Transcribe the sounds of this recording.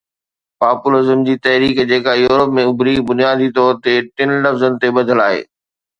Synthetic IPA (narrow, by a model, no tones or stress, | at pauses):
paːpʊlɪzəmd͡ʑiːt̪ɐɦɾiːkd͡ʑeːkajuːɾəpmẽʊbʱɾiːbʊnijaːd̪ʱit̪ɔːɾt̪eʈɪnlɐfzənɪ̆t̪ebɐd̪ʱəlaːɦḛː